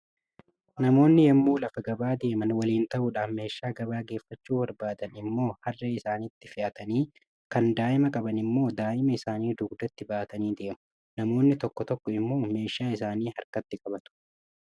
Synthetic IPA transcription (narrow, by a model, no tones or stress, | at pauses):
nɐmo̞ːnːɪjɛmːuːlɐfɐɡɐbaːd̪e̞ːmɐnwɐliːnt̪ɐʔʊᶑaːfme̞ːʃːaːɡɐbaːɡe̞ːfːɐt͡ʃːuːbɐɾbaːd̪ɐnɪmːo̞ːhɐrːɐɪsaːnɪt̪ːɪfɪʔɐt̪ɐniː | kɐnd̪aːʔɪmɐkʼɐbɐnɪmːo̞ːd̪aːʔɪmɐɪsaːniːd̪ʊɡd̪ɐt̪ːɪbaːt̪ɐniːd̪e̞ːmʊ | nɐmo̞ːnːɪt̪ɔkːɔt̪ɔkːɔɪmːo̞ːme̞ːʃaːɪs̬aːniːhɐɾkɐt̪ːɪkʼɐbɐt̪ʊ̥